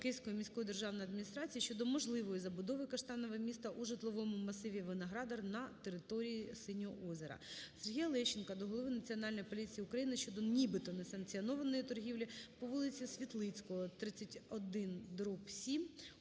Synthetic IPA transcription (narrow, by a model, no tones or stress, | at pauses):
kɪsʲkɔjɔmʲisʲkɔjɔd̪e̞rʒɑwnɔjɐd̪mʲinʲist̪ɾɑt͡sʲijɐʃt͡ʃɔd̪ɔmɔʒlˠɪʋɔjizɐbʊd̪ɔʋɪkɐʃt̪ɑnɔʋɛmʲist̪ɐʔuʒɪt̪lˠɔʋɔmʊmɐsɪʋʲiʋɪnɐɦɾɑd̪ɐrnɐt̪eɾɪt̪ɔɾʲijisɪnʲɔʔɔzʲeɾɐ̰serɦʲijɐlˠɛʃɪnkɐd̪ɔɦɔlˠɔʋɪnɐt͡sʲiɔnɑlʲnɔjpɔlʲit͡sʲijiʊkɾɐjinɪʃt͡ʃɔd̪ɔnʲibɪt̪ɔnesɐŋkt͡sʲiɔnɔʋɐnɔjit̪ɔrɦʲiwlʲipɔʋulˠɪt͡sʲisʲʋʲit̪lˠɪt͡sʲkɔɔt̪ɾɪt͡sʲːɐtʲɔd̪ɪnd̪ɾupsʲim